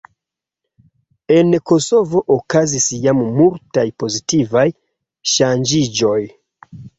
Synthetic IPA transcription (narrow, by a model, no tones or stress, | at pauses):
e̞nko̞so̞vo̞ʔokazisjammultajpo̞zitivaj | ʃand͡ʒid͡ʒo̞j